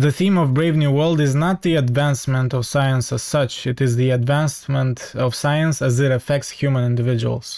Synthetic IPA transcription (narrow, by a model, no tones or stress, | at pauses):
ðɨθĩmɔvbɹeɪvnjuwɜ˞lˠdɨznət̪̚ðiɨdvæ̃nsmə̃ntɔv̥saɪə̃nsəz̥sʌt͡ʃɨɾɨzðiɨdvæ̃nsmə̃ntʌv̥saɪə̃nsɨzɨɾɨfɛk̚tshjʉmə̃nɪ̃ndɨvɪd͡ʒɨə̰l̩ˠz̥